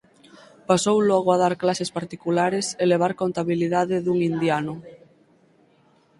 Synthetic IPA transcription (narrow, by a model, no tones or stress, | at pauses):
pasowlɔaɣoað̞aɾklasespaɾt̪ikulaɾeseleβ̞aɾkont̪aβiliðaðeðuŋind̪janʊ